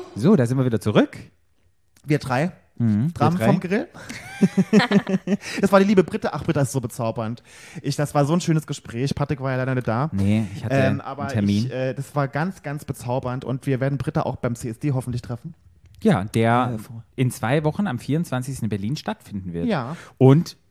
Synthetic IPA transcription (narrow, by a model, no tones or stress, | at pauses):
zoːdaːzɪntviɐviːdɐt͡suʁʏk | viːɐdʁaɪ | m̩h̩d̥ʁaːmɔmɡəʁɪl | d̥asv̥aːɐdiːliːbəbʁɪtəʔaχb̥ʁɪtaɪstz̥oːbət͡saʊbɐnt | ʔɪçd̥asv̥aːɐzoːnʃøːnəsɡ̥əʃpʁ̥ɛːçpʰatʁ̥ɪkv̥aːɐjalaɪɾaɐnɪd̥aːnəɪçhatɛmʔa̰ːbɐtʰɛɐɪmiːnʔɛːd̥asv̥aːɐɡant͡sɡ̥ant͡sb̥ət͡saʊbɐntʊ̰ntv̥iːɐveːɐdn̩bʁɪtəʔa̰ʊxb̥aɪmt͡seːɛsd̥eːɦɔfn̩tlɪçtʁ̥ɛfn̩ | jaːd̥eːɐʔɪnt͡sv̥aɪvɔχn̩amfiːɐʊnt͡sv̥ant͡sɪçstn̩ɪnbɛɐliːnʃtatfɪndn̩vɪɐttjaːʔʊnt